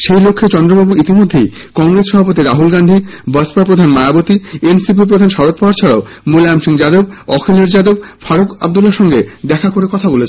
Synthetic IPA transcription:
ʃejlokʰːet͡ɕɔnd̪ɾobabuit̪imod̪ʱːej | kɔŋɡɾesʃɔbʱapot̪iɾaɦulɡandʱibɔspapɾod̪ʱanmaabot̪iensip̬ip̬ɾod̪ʱanʃɔɾot̪̚pɔɦaɾt͡ɕʰɔɽab | molamʃiŋd͡ʑad̪ob̚ɔkʰeleɾd͡ʑad̪ob̚faɾoka̰b̚d̪ulːaɾʃɔŋɡed̪ɛkʰakoɾekɔt̪ʰabolet͡ɕʰe

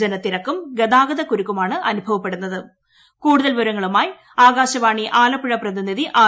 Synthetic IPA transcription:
ɐnɐt̪ːiɾɐkːumɡed̪aːɡɐðɐkuɾukːumaːɳɨʔɐnubʱɐʋɐpːe̞ɽunːɐðɨ | kuːɽuðɐlʋɐɾɐŋːɐɭumaːj | aːɡaːɕɐʋaːɳiʔaːlɐpːiɻɐprɐðiniðiʔaː

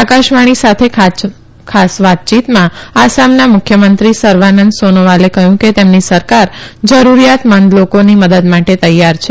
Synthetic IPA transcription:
akaʃʋaɽ̃isat̪ʰekʰa | kʰasʋat̪̚t͡ʃit̪mãasamnamʊkʰjəmənt̪ɾisəɾʋanənd̪sonoʋalekəɦjũket̪emnisəɾkaɾd͡ʒəɾuɾijat̪mənd̪lokoniməd̪əd̪maʈet̪əjːaɾt͡ʃʰe

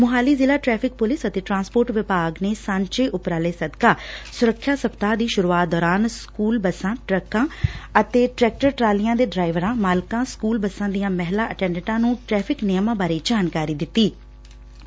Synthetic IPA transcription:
mʊɦaːliːzɪlaːʈɾɛːpʰɪk̚pʊlɪsət̪eːʈɾãːnspoːɾʈʋɪpaːɡneːsãːɲt͡ʃeːʔʊpɾaːleːsəd̪kaːsʊɾəkʰːjaːsəpt̪aːd̪iːʃʊɾuːaːt̪̚d̪ɔːɾaːnskuːlbəsãːʈɾəkãːət̪eːʈɾɛːk̚ʈəɾʈɾaːlijãːd̪eːɖɾaːɪʋɾãːmaːlkãːskuːlbəsãːd̪ijãːmɛɦlaːʔəʈɛ̃ːɳɖəʈãːnũːʈɾɛːpʰɪknɪjmãːbaːɾeːd͡ʒaːnkaːɾiːd̪ɪt̪ːiː

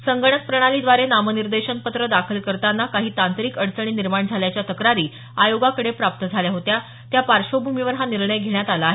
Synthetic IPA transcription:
səŋɡəɳ̃ət̪pɾəɽ̃aliːd̪ʋaɾenaməniɾd̪eɕənpət̪ɾəd̪akʰəlkəɾt̪anːakaɦiːt̪ãnt̪ɾiːkəɽsəɳ̃iːniɾmaɳd͡zʱaljat͡ɕjat̪əkɾaɾiː | ajoɡakəɽepɾap̚t̪əd͡zʱaljaɦot̪ja | t̪japaɾɕobʱumiʋəɾɦaniɾɳəjɡʱeɳjat̪alaːɦe

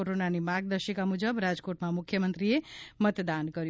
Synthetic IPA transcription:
oɾonanimaɡ̚d̪əʃəkamud͡ʒəbɾad͡ʒkoʈmãmʊkʰjəmənt̪ɾiemət̪d̪ankəɾju

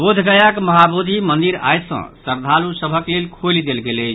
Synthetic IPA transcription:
bod̪ʱɡəjəkməɦabud̪ʱimənd̪iɾa̰jsə̰̃səɾd̪ʱalusəbʱəklelkʰolid̪elɡelət͡ʃʰ

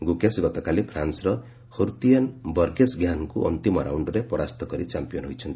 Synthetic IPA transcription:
ɡukesɡɔt̪ɔkalipʰɾansɾɔ | hoɾt̪ianbɔɾɡesɡjanɔkuʔɔ̰nt̪imɔɾa̰wɳɖɔɾepɔɾast̪ɔkɔɾit͡ʃampijɔnɦojt͡ʃʰʌnt̪i̥

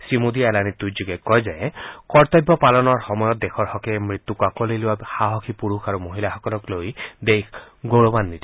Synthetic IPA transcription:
simud̪iɛlanit̪ːud͡ʒuɡɛkːɔjzajekɔɹt̪ɔbːɔpalɔnɔɹxɔmɔjɔt̪̚d̪ekʰɔɹhɔkɛmɹit̪ːukakɔliluwaxaɦɔkʰipuɹuxʰaɹumoɦilaxɔkɔlɔklojd̪ekʰ | ɡoɹɔbanːit̪i

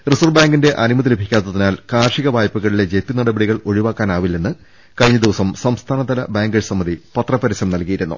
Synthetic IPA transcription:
risurbaːŋɡinde̞ʔɐnimɐt̪̬ːilebʱikʲːaːt̪ːɐðinaːlkaːrʂiɣɐʋaːjpːuɣɐɭile̞d͡ʑet̪ːinɐɽɐbeɽiɣɐɭo̞ɻiʋaːkːaːnaːʋilːe̞nːɨ | kɐɻɲːɐd̪iʋɐsɐmsɐmst̪ʰaːnɐd̪ɐlɐbaːŋɡɐɻsɐmːɐðipɐt̪rɐpːɐɾisɐmnɐlkijiɾunːṵ

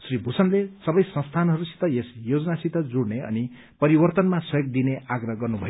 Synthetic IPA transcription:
sribʱusʌnlesʌbʌjsʌ̃nst̪ʰanɦʌɾusi̥t̪ʌjesjod͡zʌnasit̪ʌd͡zuɽneʌ̰ni | pʌɾibʌrt̪ʌnmasʌjoɡ̚d̪ineaɡrʌɦɡʌrnubʱʌjo

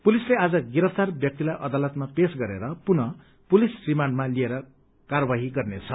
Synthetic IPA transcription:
pulislead͡zʌɡiɾʌpʰt̪arbjʌk̚t̪ilajʔʌd̪alʌt̪mapesɡʌɾḛɾʌpunʌ | pulisrimanmalieɾʌ | karʌbaɦiɡʌrnet͡sʰʌ

